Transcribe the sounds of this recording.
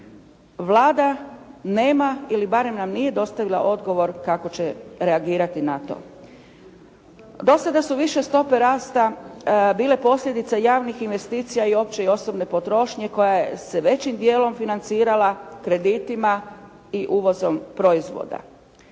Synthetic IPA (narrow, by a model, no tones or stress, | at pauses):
ʋlˠaːd̪ane̞ːmailibaɾe̞mnamnije̞d̪o̞st̪aʋilˠa̰ʔo̞d̪ɡo̞ʋo̞ɾkako̞t͡ɕe̞ɾeaɡiːɾat̪inat̪o̰ | d̪o̞sad̪asuʋiʃe̞st̪o̞pe̞ɾaːst̪abiːle̞po̞slʎʲe̞d̪it̪sajaːʋnixinʋe̞st̪iːt̪sijaio̞ːp̚t͡ɕe̞io̞so̞bne̞po̞t̪ɾo̞ʃɲe̞ko̞jajeseʋe̞t͡ɕimd̪je̞ːlo̞mfinant̪siːɾalakɾe̞d̪iːt̪ima | iʔuʋo̞zo̞mpɾo̞izʋo̰d̪a̰